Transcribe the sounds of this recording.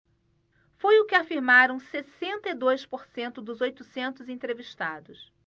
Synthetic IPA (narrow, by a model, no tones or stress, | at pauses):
fojʊkɪafiɾmaɾɐ̃w̃sesẽnt̪ɐid̪ojspoɾsẽnt̪ʊd̪ʊzojt̪ʊsẽnt̪ʊzẽt̪ɾeviʃt̪ad̪ʊs